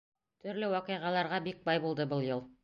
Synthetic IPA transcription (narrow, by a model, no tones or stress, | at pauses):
t̪ʰɵ̆ɾlɘwɑqɤ̆jʁɑlˠɑɾʁɑbik̚bɑjbulˠd̪ɤbɤlˠjɤlˠ